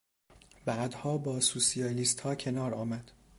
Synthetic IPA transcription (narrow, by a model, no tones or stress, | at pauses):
bæːd̪hɒːbɒːsuːsijɒːliːst̪hɒːcʰe̞nɒːɾɒːmæd̪̥